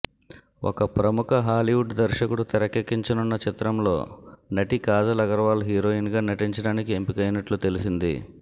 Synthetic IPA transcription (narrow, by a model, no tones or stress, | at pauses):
o̰kɐpɾɐmukɐɦaːliwuɖd̪ɐɾʃɐkuɽut̪ɐɾɐkekːiɲt͡ʃɐnunːɐt͡ʃit̪ɾɐmlo̞ːnɐʈikaːd͡ʒɐlɐɡɐɾʋaːlɦiːɾoːjinɡaːnɐʈiɲt͡ʃɐɽaːnikiempikɐjnɐʈlut̪e̞lisind̪ḭ